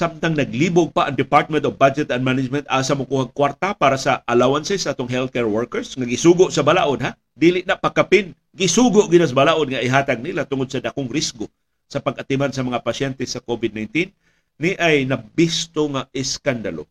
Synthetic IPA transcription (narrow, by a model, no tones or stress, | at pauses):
samt̪aŋnɐɡliːboɡ̚paʔɐŋd̪ɪpaɾt̪̚mɛnt̪ofbad͡ʒɛt̪ɐnd̪manɪd͡ʒmɛ̃nt̪ʔaːsamʊkohaɡ̚kwaɾt̪apaːɾasaʔːlawansɛsaʔaːt̪oŋɦɛlt̪̚kɛɹwɛɹkɛɹsŋaɡɪsuːɡʊʔsɐbalaːʔod̪̚ha | d̪iːlɪʔnaʔpakapɪn | ɡɪsuːɡʊʔɡɪnas̬abalaːʔod̪̚ŋaʔɪɦaːt̪aɡ̚nilat̪ʊŋod̪sɐd̪akoŋɾɪsɡo | sɐpaɡʔat̪ɪmansɐmɐŋapasɛnt̪ɛsakovɪd̪̚najnt̪inː | iʔajnɐbɪst̪oŋaɪskand̪alo